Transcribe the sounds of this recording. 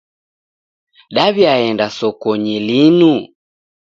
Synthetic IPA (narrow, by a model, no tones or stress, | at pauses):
ɗaβjaɛndasɔkɔɲilinu